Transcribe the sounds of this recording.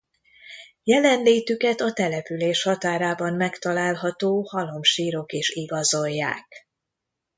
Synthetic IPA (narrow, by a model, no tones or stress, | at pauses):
jɛlɛnleːt̪ykɛt̪ɒt̪ɛlɛpyleːʃhɒt̪aːɾaːbɒmmɛkt̪ɒlaːlɦɒt̪oːhɒlo̞mʃiːɾo̞keːʃiɡɒzo̞jːa̰ːk